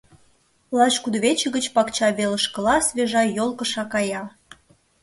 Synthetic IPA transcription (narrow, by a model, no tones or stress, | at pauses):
lɑʃkud̪βet͡ɕə̆ɣət͡ɕpɑkt͡ɕɑβeləʃkə̆lɑsβʲeʒɑjolˠkə̆ʃɑkɑjɑ